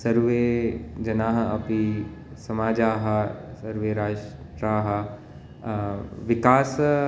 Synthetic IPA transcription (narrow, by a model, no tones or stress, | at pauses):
sɐɾʋed͡ʒɐnaːɦɐɐpisɐmaːd͡ʒaːɦɐsɐɾʋeːɾaːʃ | ʈɾaːɦɐ | ʋɪkaːs